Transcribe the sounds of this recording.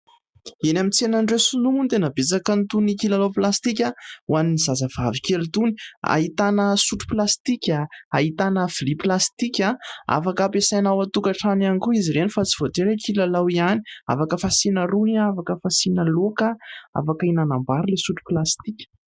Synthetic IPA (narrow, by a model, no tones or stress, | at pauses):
enamint͡senaɳɖ͡ʐesunumunt̪enəbet͡sakənt̪unikilalawplast̪ik̬ʲauwaninizazəv̥avikelut̪uni̥a̰ɦit̪anəsuʈ͡ʂu̥plast̪ikʲaaɦit̪anəfiliplast̪ikʲaa̰fakəpesajnawat̪ukaʈ͡ʂananikuiziɾenifat͡si̥vot̪eɾekʰilalawiani̥a̰fakəfasinəɾuniafakəfasinəlokəa̰fakəinanambaɾulesuʈ͡ʂu̥plast̪ikʲə̥